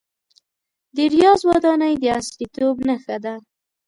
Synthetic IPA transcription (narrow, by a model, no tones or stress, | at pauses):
d̪əɾijɑzwɑd̪ɑnajd̪əaslit̪obnaxad̪a